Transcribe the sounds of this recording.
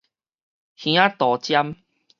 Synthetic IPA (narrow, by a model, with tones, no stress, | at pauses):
hj̃ã˦t̪ɔ˨t͡ɕja˦m